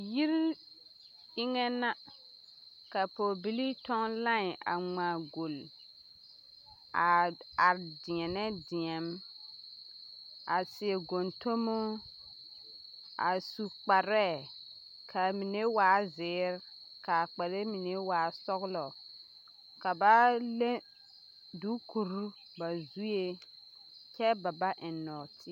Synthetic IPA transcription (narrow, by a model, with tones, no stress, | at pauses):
ji˦ɾ | ɪ˦ŋɛ˦na˦ | ka˨po˨bi˦li˦tɔ˦ŋlã˦ŋ˨a̰˨ŋ͡maː˨ɡo˨l | a˨a˨ɾdɪ˨ɛ˨nɛ˦dɪ˨ɛ˨m˦ | a˨sɪ˨e˨ɡo˨nto˦mo˦ | a˨su˨k͡pa˨ɾɛ˦˨ | kʰa˨mi˨ne˦waː˨˦zɪː˨˦ɾ | ka˨k͡pɛ˨le˦mi˨ne˦waː˨˦sɔ˦ɣlɔ˨ | ka˨ba˦le˦ | du˨˦kʰu˨ɾu˦ | ba˨zu˦je˦ | kɛ˦ba˨ba˦ʔɪ˨nɔ˨tʰi˦